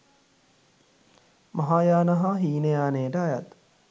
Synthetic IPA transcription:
mɐɦaːjaːnɐɦaɦiːnejaːneːʈəajɐ̰t̪

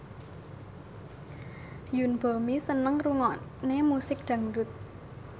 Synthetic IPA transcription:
junb̥omisənəŋruŋɔʔnemusɪk̚d̪̥ä̤ŋdʊ̤t̪̚

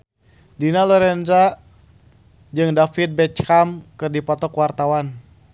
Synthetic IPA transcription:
dinalɔɾɛnza | d͡ʒɨŋdafit̪̚bɛt͡ʃkamkɨrdipɔt̪ɔkwart̪awan

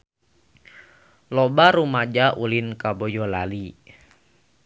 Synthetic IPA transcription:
lɔbaɾumad͡ʒaʔulinkabɔjɔlali

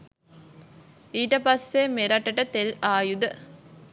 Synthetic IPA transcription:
iːʈɐpɐsːemeɾɐʈːɐʈət̪elaːjud̪ə

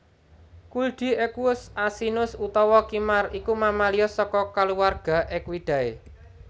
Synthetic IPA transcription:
kulɖ̪̥i̤ekuʊsasinʊsut̪ɔwɔkimarikumamalijɔsɔkɔkaluwarɡ̥a̤ʔɪkwid̪̥a̤ḛ

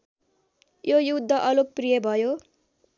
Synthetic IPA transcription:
jojud̪ʱːʌʔʌluk̚prijʌbʱʌjo

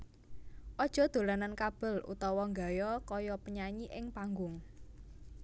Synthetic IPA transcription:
ʔɔd̥ʒ̥ɔ̤d̪̥o̤lanankab̥ə̤lṵt̪ɔwɔŋɡa̤jɔkɔjɔpəɲaɲiʔɪŋpaŋɡʊŋ

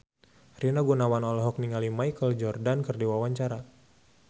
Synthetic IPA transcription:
rinaɡunawanɔlɔɦɔk̚niŋalimajkəld͡ʒɔrdankərdiwawaɲt͡ʃaɾa

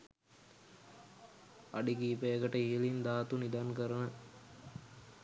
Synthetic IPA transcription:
aɖikiːpejəkəʈəiəlind̪aːt̪unid̪aŋkəɾənə

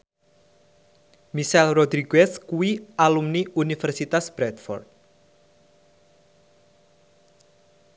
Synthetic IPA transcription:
misɛlrod̪ɾiɡɛskuwiʔalumniunifɛrsit̪asb̥ɾɛt̪fɔ̰rt̪̚

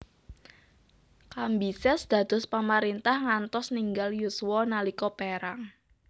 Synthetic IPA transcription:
kambisɛsd̪̥ä̤d̪̥ʊ̤spamaɾint̪ahŋant̪ɔsniŋɡaljusuwɔnalikɔpeɾaŋ

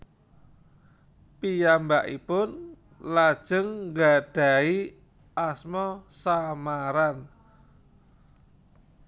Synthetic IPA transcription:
pijambaʔḭpʊn | lad̥ʒ̥ə̤ŋŋɡaɖ̥a̤i | asmɔsamaɾan

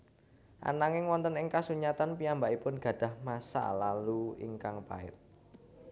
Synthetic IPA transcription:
ʔa̰naŋɪŋwɔnt̪ənɪŋkasuɲat̪anpiambaʔipʊnɡ̥ä̤d̥ä̤hmasa̰laluḭŋkaŋpa̰ɪ̰t̪̚

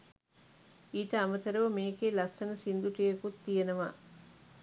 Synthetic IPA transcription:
iːʈɐɐmɐt̪ɐɾuʋɐmeːkeːlɐstɐnɐsind̪uʈijɐkut̪ːijɐnɐʋa̰

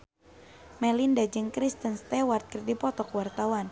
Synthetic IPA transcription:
mɛlindad͡ʒɨŋkɾist̪ənst̪ɛwart̪̚kərdipɔt̪ɔkwart̪awan

